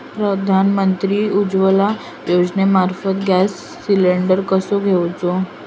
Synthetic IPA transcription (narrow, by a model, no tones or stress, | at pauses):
pɾəd̪ʱanmənt̪ɾiːud͡ʑʋəla | jod͡ʑnemaɾfət̪ɡasː | ileɳɖəɾkəsoɡʱewt͡so